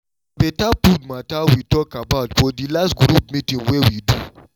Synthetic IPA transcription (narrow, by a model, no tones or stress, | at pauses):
betapudmatawitɔkabaʊtfɔdilastɡɾup̚mĩtĩnwewidu